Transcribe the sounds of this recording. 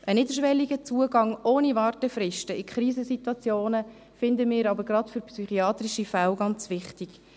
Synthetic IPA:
ʔənɪd̪əɾʃʋɛlːiɡət͡suəɡɑŋoːnivɑːrtəfɾɪʃtəikʰχɾiːzəsit̪wɑt͡sjoːnə | fɪnd̪əmɪːɾɑbəɾɡɾɑtfʏɾpsyχiɑːt̪ɾiʃifæwɡɑnt͡sʋɪχtiɡ̥

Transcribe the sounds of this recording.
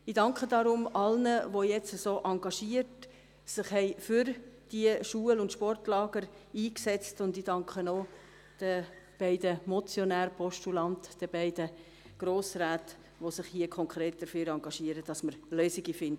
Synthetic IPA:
idɑŋkχədɑɾʊmɑlnəʋojɛt͡səsoːʔɑŋɡɑʃiəɾt | sɪχhɛɪfyɾd̥iəʃuəlʊnt̪ʃpɔrtlɑːɡ̥əɾiːksɛt͡stʊndid̥ɑŋkχəno | d̥əb̥ɛɪdəmɔt͡sjɔnæːɾpʰɔʃtulɑntd̥əbɛɪdə | ɡ̥ɾoːsɾaːt | ʋosɪχhiəkʰɔŋkχɾeːt̚d̥əɾføːɾɑŋɡɑʃiəɾəd̥ɑsməɾløːsɪɡifɪndə

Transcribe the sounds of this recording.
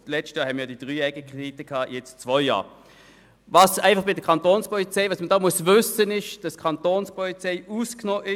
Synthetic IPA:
lɛt͡ʃtjɑːɦɛmɪjɑːdid̥ʁyːɛɡəkʁeditəkʰɑːjɛt͡st͡svɔʏjɑ̰ː | vɑsæɪfɑχb̥ɪdəkʰɑntoːnspɔlit͡sɛɪvɑsmədoːmuəsvʏsənɪʃd̥ɑskʰɑntoːnspɔlit͡sɛɪuːsknɔːʔɪ

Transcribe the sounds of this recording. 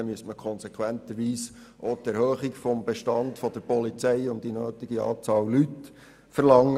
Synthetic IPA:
ɛmyəstməkʰɔnsekʰwænt̪əɾʋiːs | ʔot̪ɛɾhøːχikfɔmbeʃtɑndfɔd̪əɾpɔlit͡sɛɪʊnddinøːt̪iɡiɑ̰ːt͡sɑːllyt | fəɾlɑŋːə

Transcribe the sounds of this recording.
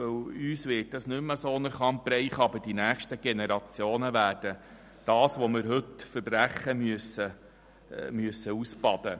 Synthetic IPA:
ɵwyːsʋɪːt̚dɑsnʏməsonəɾχɑmpɾɛɪχɑbəd̥inæːχʃtəɡ̥enɛɾɑt͡sjoːnəʋæːɾd̥ə | d̥ɑːsʋomɪɾɦɵtfəɾbɾæχːəmyəsə | myəsːəusbɑd̪̥ə

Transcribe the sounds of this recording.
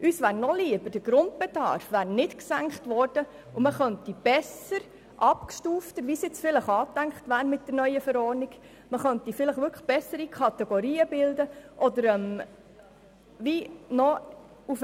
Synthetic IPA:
ʔyːsʋæːɾnɔliəbəɾd̥əɡ̥ɾʊnd̚bɛdɑ̰ɾfʋæːɾnɪtksæŋkχtʋɔɾd̥ə | uməχœntib̥ɛsəɾ | ʔɑpkʃtuːftəɾʋisɪt͡sfɪləχɑːt̪æŋkχtʋæːɾmɪt̚d̥əɾnœʏəfəɾɔːɾniɡ̥ | məχœntifɪləχʋʏɾkʰəχb̥ɛsəɾikʰɑt̪ɛɡ̥ɔɾiːəbɪld̪əʔɔd̪əɾɛm | ʋinɔ | uf

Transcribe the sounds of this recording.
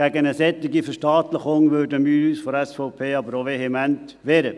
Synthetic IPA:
æɡənəsɛt̪ːɪɡifəʃtɑːt̪ləχʊŋʋøːdəmyːɾysfɔɾɛsfoʊpʰeːɑbəɾoʋeɦemænt̪ | ʋɛːɾə

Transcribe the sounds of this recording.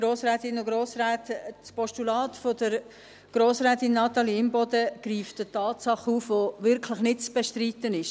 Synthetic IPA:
ɾoːsɾæːt̪ɪnʊɡɾoːsɾæːtspɔʃtulɑːtfod̥əɾ | ɡ̥ɾoːsɾɛːt̪ɪnːɑt̪ɑliɪmbɔdəɡ̥ɾiːftətɑːtsɑχuːfʋoʋɪɾkʰləχnɪt̚t͡sb̥eʃtɾit̪ənɪʃ

